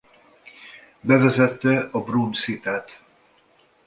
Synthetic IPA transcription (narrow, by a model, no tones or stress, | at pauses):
bɛvɛzɛt̪ːɛɒbrunsit̪aːt̪